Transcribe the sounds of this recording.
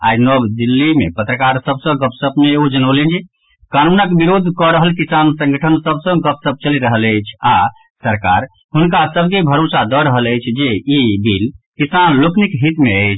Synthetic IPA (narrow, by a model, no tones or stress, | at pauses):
a̰jnɔbd̪ilːimḛpət̪ɾəkaɾsəbsə̃ɡəpsəbmeod͡ʒənəblend͡ʒi | kanunəkbiɾod̪ʱkɔɾəɦəlkisansə̃ŋɡəʈʰənsəbsə̃ɡəpsəb̚t͡ʃəliɾəɦələjt͡ʃʰa | səɾka̰ɾ | ɦunkasəb̚kebʱəɾosad̪ɔɾəɦələjt͡ʃʰd͡ʒeibilkisanloknikɦit̪meəjt͡ʃʰ